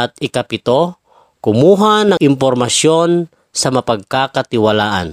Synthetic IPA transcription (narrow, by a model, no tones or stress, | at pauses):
at̪̚ɪkapɪt̪o | kʊmuːɦanɐŋʔɪmp̬ɔɾmasjon | sɐmapaɡ̚kakat̪ɪwalaːʔa̰n